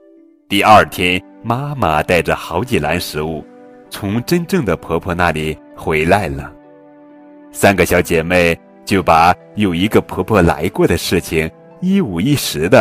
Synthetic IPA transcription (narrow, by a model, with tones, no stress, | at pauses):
t̪i˥˧ɐ˞˥˩t̪ʰjɛ˥n | ma˥ma˨˩t̪a˥˩ɪʈ͡ʂə˩xɑ˧˥ʊt͡ɕi˨˩la˧˥nʂɻ̩˧˥u˥˩ | t͡sʰʊ˧˥ŋʈ͡ʂə˥nʈ͡ʂɤ˥˩ŋd̪ə˩pʰɤ˧˥pʰɔ˥˧na˥˩li˨˩˦ | xwe˧˥ɪla˧˥˩ɪlə˩ | sa˥nɡə˧ɕjɑ˧˥ʊt͡ɕjɛ˨˩me˥˩ɪ | t͡ɕjo˥˩ʊpa˨˩ | jo˨˩ʊi˧˥ɡə˥˧pʰɤ˧˥pʰwɔ˥˩la̰˧˥ɪkwɔ˥˩d̪ə˩ʂɻ̩˥˩t͡ɕʰi˨˩ŋ | i˥u˨˩i˥˩ʂɻ̩˧˥d̪ə˧